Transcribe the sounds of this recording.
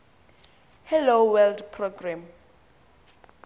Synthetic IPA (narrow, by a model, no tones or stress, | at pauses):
hɛlowɛldpʰrɔɡram